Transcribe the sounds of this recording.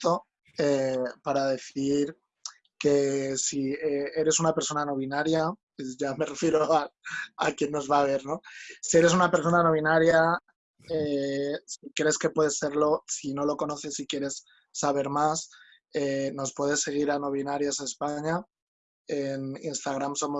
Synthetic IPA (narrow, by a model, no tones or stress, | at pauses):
t̪o | epaɾaðe̞θiɾ | ke̞siee̞ɾe̞sunapeɾso̞nano̞β̞inaɾja | ʝame̞re̞fje̞ɾoaakje̞nːo̞zβaβ̞e̞ɾno̞sie̞ɾe̞sunape̞ɾso̞nano̞β̞inaɾja | esikɾe̞ske̞pwe̞ðe̞sːe̞ɾlo̞sino̞lo̞ko̞no̞θe̞sikje̞ɾe̞sː | aβ̞e̞ɾmas | eno̞spwe̞ðe̞sːe̞ɣ̞iɾano̞β̞inaɾjasaespaɲa | eninst̪aɣ̞ɾamso̞mo